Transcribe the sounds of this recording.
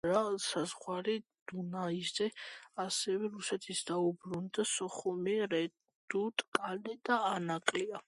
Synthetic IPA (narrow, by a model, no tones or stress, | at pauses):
ɾasazʁwaɾid̪̥unaiszɛasɛvɛɾusɛt̪ʰisd̪aubɾund̪asɔχumiɾɛ | d̪̥ut̪ʼkʼalɛd̪aːnakʼlia